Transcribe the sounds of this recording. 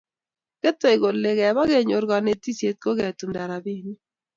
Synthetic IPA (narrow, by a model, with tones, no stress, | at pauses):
kɛ˦tɔ˦ɪ˨ɡo˨lle˨ɡɛ˨ba˦ɡe˦˨ɲo˨ɾɡɔ˨ne˨ti˦sje˨t̪̚ko˦ɡɛ˨tu˨mda˨ɾa˨bi˦ni˦